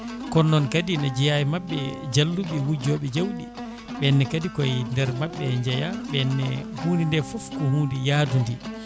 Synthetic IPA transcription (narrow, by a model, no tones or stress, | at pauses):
kɔnːɔnkadinad͡ʒɛjajimaɓːɛd͡ʒalːuɓiwud͡ʒɔɓɛd͡ʒawɗi | ɓɛnːɛkadikɔjndɛɾmaɓːɛɲd͡ʒajaɓɛnːɛ̰huːnindɛfɔfkɔhuːndɛjaːdundi